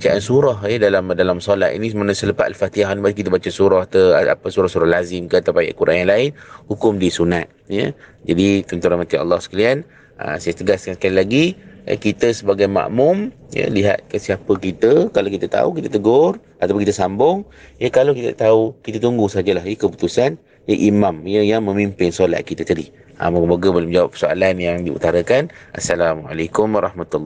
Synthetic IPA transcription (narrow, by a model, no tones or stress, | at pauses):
it͡ʃaʔansuɾɔhedalamdalamsɔla̰ʔḭnismanə̃sələpat̪alfat̪iaɦnibak̬it̪əbat͡ʃəsuɾɔht̪əa̰pəsuɾɔhsuɾahlazɪmkəat̪apaja̰ʔkuɾʔa̰njaŋlaɪnhukʊmdisunat̪̚jə̰d͡ʒadit̪ənt̪uɾanmat̪iɑ̰lːɑhsə̥kalian | ə̰sajat̪əɡaskansə̥kalilaɡiə̰kit̪əsəbaɡajma̰ʔmʊmjə̰liɦa̰t̪̚kəsiapəkit̪əkalokit̪ət̪a̰ukit̪ət̪əɡʊrʔat̪apʊnkit̪əsambʊŋ | jəkalowkit̪a̰t̪aukit̪ət̪uŋɡusəad͡ʒəlaɦjəkəput̪usan | jəʔimamjəjaŋmə̃mimpɪnsola̰ʔ̪̚kit̪ət̪adi | ʔa̰moɡəmboɡəbolʊmd͡ʒawapːə̥soa̰lanjaŋdiṵt̪aɾakanʔa̰salama̰lakʊmwaɾˤɑhmat̪ulː